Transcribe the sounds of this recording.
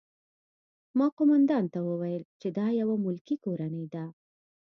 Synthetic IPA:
mɑqomand̪ɑnt̪awəwajəlt͡ʃed̪ɑjawamʊlkikoɾanəjd̪a

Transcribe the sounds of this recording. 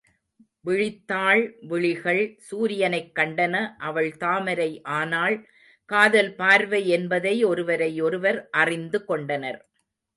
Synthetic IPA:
ʋɪɻɪt̪ːaːɭʋɪɭɪɣɐɭsuːɾɪjɐnɐɪkːɐɳɖɐnɐʔɐʋɐɭt̪aːmɐɾɐɪʔaːnaːɭ | kaːðɐlpaːɾʋɐɪɛnbɐðɐɪɔɾɯʋɐɾɐɪɔɾɯʋɐɾʔɐrɪnd̪ɯkɔɳɖɐnɐɾ

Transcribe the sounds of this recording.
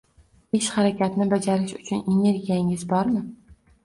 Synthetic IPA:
eʃχaɾakʲʰat̪nɪbad͡ʒaɾɪʃʊt͡ʃʰʊne̞ne̞ɾɡʲijaŋɪzbɒɾmɪ

